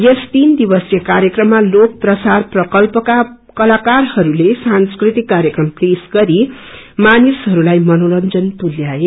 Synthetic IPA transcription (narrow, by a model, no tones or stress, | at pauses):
jʌst̪ind̪ibʌsjʌkaɾjekrʌmːalok̚prʌsarprʌkʌlpʌka | kʌlakarhʌɾulesanskrit̪ikːaɾjʌkrʌmplesɡʌɾimanisɦʌɾulajmʌnolʌnd͡zʌnt̪ulːjae